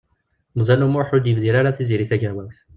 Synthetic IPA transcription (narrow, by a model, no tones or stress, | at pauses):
mzˤænumʊɾħud̪jəvðiɾaɾaθiziɾiθæɡæwæwθ